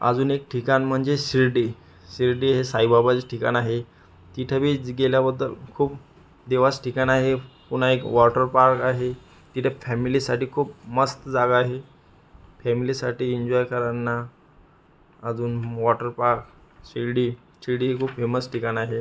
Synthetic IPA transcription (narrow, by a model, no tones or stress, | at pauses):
ə̰d͡zuːnekʈʰikanm̤əɳd͡zesiɾɖi | ɕiɾɖiːɦesaibabat͡seʈʰika̰naɦe | t̪it̪ʰjabiːɡeljabəd̪ːəlkʰuːp̚ | d̪eʋasʈʰikanaɦepuɽ̤aekʋɔʈəɾpaɾkaɦe | t̪it̪ʰjafɛmilisaʈiːkʰuːp̚məst̪əd͡zaɡaːɦe | fɛmilisaʈiːiɲd͡ʑɔjkəɾanːa | əd͡zuːnʋɔʈəɾpaɾkɕiɾɖiː | siɾɽiɦekʰuːpfeməsʈʰikanaɦe